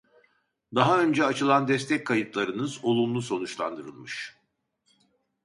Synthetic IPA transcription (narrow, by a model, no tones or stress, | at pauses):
d̪aɦaø̞nd͡ʒɛat͡ʃɯlˠand̪ɛst̪ʰɛc̚kʰːajɯt̪lˠaɾɯnɯzo̞lˠumlˠuso̞nut͡ʃlˠa̰nd̪ɯɾɯlˠmɯʃ